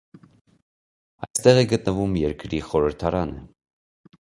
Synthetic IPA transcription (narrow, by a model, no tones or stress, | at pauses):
ɑjst̪ɛʁɛɡət̪nəvumjɛɾkɾiχɔɾəɾt̪ʰɑɾɑnə̰